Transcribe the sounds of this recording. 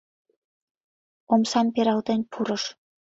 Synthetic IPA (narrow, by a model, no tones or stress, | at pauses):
omsɑmpeɾɑlt̪enpʰuɾə̆ʃ